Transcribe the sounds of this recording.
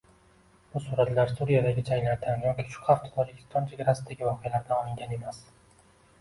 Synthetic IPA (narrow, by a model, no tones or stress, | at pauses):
b̥ʊsuɾat̪laɾsuɾijad̪aɡʲɪd͡ʒaŋlaɾt̪ʲʰanjɒkʲʰi̥ʃʊ̥qʰaft̪ʰt̪ʰɒd͡ʒɪkʲɪ̥st̪ʰɒnt͡ʃʰeɡʲaɾasɪd̪aɡʲɪvɒqejalaɾd̪anɒlɪŋɡʲane̞mas